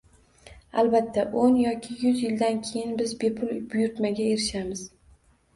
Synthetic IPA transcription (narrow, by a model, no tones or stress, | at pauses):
albat̪ʰːaʔonjɒkʲʰɪjʊzjɪld̪ankʲʰejɪnbɪzbe̞pʰʊlˠbʊjʊɾt̪maɡʲaeɾɪʃamɪz̥